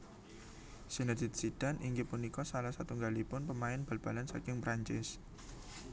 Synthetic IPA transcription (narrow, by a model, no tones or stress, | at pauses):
sinəd̪ɪt̪̚sid̥aniŋɡɪpunikɔsalahsat̪uŋɡalipʊnpəmaɪnb̥a̤lb̥a̤lansa̰kɪŋpɾaɲt͡ʃɪs